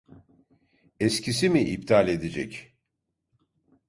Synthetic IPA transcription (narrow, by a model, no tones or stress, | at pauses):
escʰisimiʔip̚t̪ʰalʲe̞d̪ed͡ʒɛ̰c